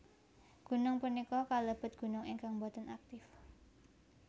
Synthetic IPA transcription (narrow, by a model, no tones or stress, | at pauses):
ɡ̥ṳnʊŋpunikɔkaləb̥ə̤t̪̚ɡ̥ṳnʊŋiŋkaŋmbɔt̪ənak̚t̪ɪf